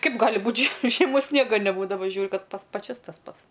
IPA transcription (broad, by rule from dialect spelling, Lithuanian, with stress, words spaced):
ˈkɐɪp ˈɡɑːlʲɪ ˈbuːtʲ ʒʲiɛ ʒʲiɛˈmoːs ˈsʲnʲiɛɡɐ nʲɛˈbuːdɐʋɐ ˈʒʲuːrʲʊ ˈkɐt ˈpɐs pɐˈt͡ʃʲɛs tɐs ˈpɐts